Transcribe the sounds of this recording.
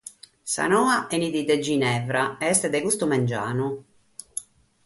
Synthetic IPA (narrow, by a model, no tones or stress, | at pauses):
sa̰nɔːaʔɛnid̪id̪ɛd͡ʒinɛvɾaɛɛst̪ɛd̪ɛkust̪umɛnd͡ʒa̰ːnu